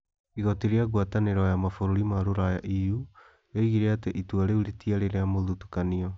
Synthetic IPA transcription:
iɣɔtiɾeaɣwataneɾɔjamafoɾoɾimaɾoɾajaʔiju | jaiɣiɾɛateʔituaɾeuɾitiaɾeɾeamoðutu̥kaniɔ

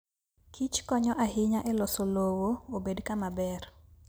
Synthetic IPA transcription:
kʰit͡ʃkɔɲɔʔaɦɪɲaʔɛlɔsolowoobedkamabɛr

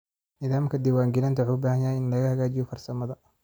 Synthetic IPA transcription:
nɪðaːmkʰɐd̪ɪwaːŋɡɪlɐnt̪ʰɐʕubaːhɐjajɪnlɐɣɐhɐɣaːt͡ʃɪjɔfɐrsɐmɐðɐ

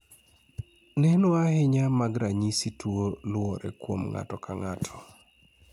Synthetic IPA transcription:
nɛnʊahɪɲamaɡɾaɲisitwolʊɔɾɛ̰kwo̰mŋa̰tɔkaŋatʰɔ̥

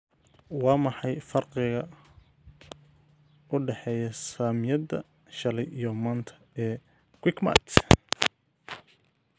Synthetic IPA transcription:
wɑːmɑħɑjfɐrqɪɣɐ | ʊɖɛħɛːjɐsaːmjɐðɐ̰ | ʃɐlɛjijɔmaːnt̪ʰɐ̥ | ɛː | kwɪkma̰t̪

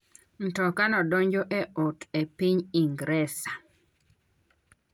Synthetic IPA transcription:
n̩tɔkanɔdoɲd͡ʒoʔeʔotepiɲiŋɡɾɛsa

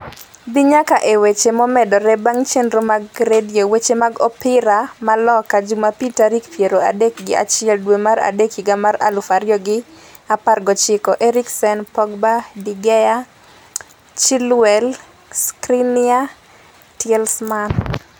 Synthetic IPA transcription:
bɪɲakaʔewet͡ʃemɔmɛdɔɾɛbaŋt͡ʃendɾomaɡɾediowet͡ʃemaɡɔpɪɾamalɔkad͡ʒumapitaɾikpjeɾoa̰dek̚ɡɪ̰a̰t͡ʃɪɛldwemaɾa̰dekiɡamaɾa̰lufaɾjɔɡɪ | aparɡɔt͡ʃɪkɔʔeɾiksɛnpɔɡbadiɡɛja | t͡ʃilwɛl | skɾinɪa | tɪɛlsman

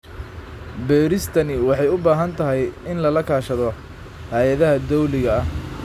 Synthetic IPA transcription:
bɛːɾɪst̪ʰɐnɪwɑħɑjʊbaːɦɐnt̪ʰɐɦɛjɪnlɐlɐkʰaːʃɐðɔ | haːjɐðɐɦɐd̪ɔwlɪɣɐːh

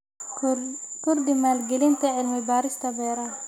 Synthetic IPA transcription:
kʊɾd̪ɪmaːlɡɛlɪnt̪ɐʕɪlmɪbaːɾɪst̪ʰɐbɛːɾɐ

